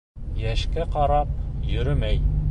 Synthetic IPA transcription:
jæʃkæqɑɾɑp̚jɵ̆ɾɘmæj

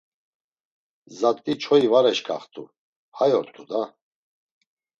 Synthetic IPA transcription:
zat̪ʼit͡ʃʰɔivaɾɛʃkʰʼa̰χt̪ʼṵ | hajɔɾt̪ʰud̪a

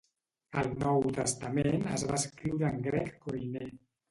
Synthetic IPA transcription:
əlˠnɔwt̪əst̪əmenə̰zβaəskɾiwɾəːŋɡɾɛkːojne

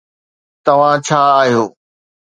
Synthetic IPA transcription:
t̪ɐʋ̤ãt͡ɕʰaːaːɦijoː

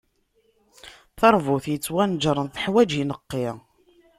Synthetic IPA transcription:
θɑɾˤvuθjət͡sːwænd͡ʒɾˤənθəħwæd͡ʒinəqːɪʁ

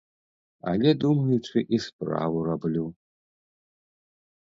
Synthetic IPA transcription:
a̰lʲɛd̪umɐjut͡ʂɨʔispɾa̰vurablʲu

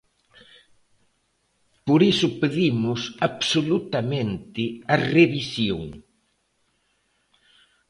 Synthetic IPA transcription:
poɾisʊpeðimʊsaβsolut̪amẽnt̪ɪɐreβisjoŋ

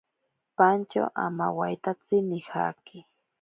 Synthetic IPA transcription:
pant͡ʃa̰ʔa̰ma̰wajt̪at͡sɪnɪha̰kɪ

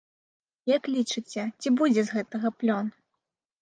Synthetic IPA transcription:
jɐklʲit͡ʂɨt͡sʲɛt͡sʲibud͡zʲɛzɣɛt̪ɐɣɐplʲɔn

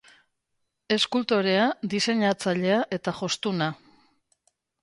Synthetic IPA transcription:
e̞skult̪o̞ɾe̞ad̪ise̞ɲat͡saʎe̞aʔe̞t̪aʝo̞st̪una

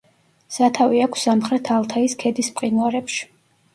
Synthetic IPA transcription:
sat̪ʰaviakʷʰsamχɾɛt̪ʰalˠt̪ʰaiskʰɛd̪ispʼqʼinwaɾɛpʃi̥

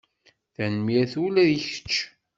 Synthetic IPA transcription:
θænmjæθulæðiçə̥t͡ʃː

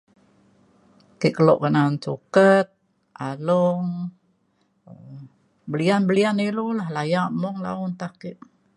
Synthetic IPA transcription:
kiʔkəlɔ̰ʔkənansukət̪̚ | ʔalɔŋ | bəlianbəlianilulahlajaʔmɔŋla̰ʊnt̪ahkiʔ

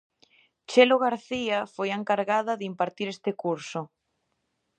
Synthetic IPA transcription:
t͡ʃeloɣaɾθiafojeŋkaɾɣaðɐðimpaɾt̪iɾest̪ɪkuɾsʊ

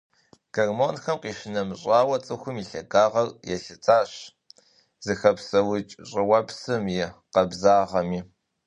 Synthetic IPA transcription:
ɡ̥ɐrmoːnxɐmqiːʃɪnɐmɕʼaːwɐt͡sʼɨxʷʊmiːɬɐɡaːʁɐrjɛɬɨt͡sʰaːɕ | z̥ɨxɐpsɐwʊt͡ʃʼɕʼɪwɐpsɨmjɛqɐbzaːʁɐmiː

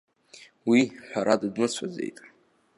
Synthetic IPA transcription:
wiħʷᶣaɾadɨdnɨt͡sʷʰazḛjtʼ

